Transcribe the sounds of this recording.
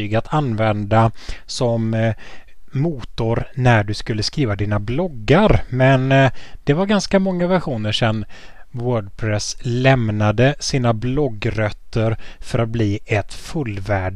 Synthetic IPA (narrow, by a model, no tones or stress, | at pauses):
yːɡat̪ʰanvɛnd̪asɔm | uːt̪ʊɾnæɖɵskɵlːəskɾiːvad̪iːnablɔɡːaɾmɛnd̪̥ɛvaɾɡanskamɔŋːavæɧuːnəʂɛnwœːɖpʰɾɛslɛmnad̪əsiːnablɔɡɾœt̪ʰːəɾfœɾat̪̚bliːɛt̪fɵlːvæːɖ